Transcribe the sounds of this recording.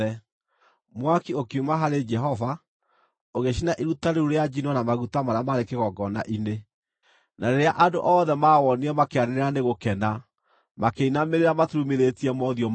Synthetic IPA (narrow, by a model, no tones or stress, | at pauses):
ɛ | mwakiokumaɦaɾed͡ʒɛɦɔva | oɣeʃinaʔeɾutaɾeuɾead͡ʒinwɔnamaɣutamaɾeamaɾekeɣɔɡɔna̰ʔine | naɾeɾeaʔadoʔɔːðɛmawɔniɛmakeaneɾeɾaneɣokɛna | makeinameɾeɾamatɾumeɾetiɛmɔðiɔm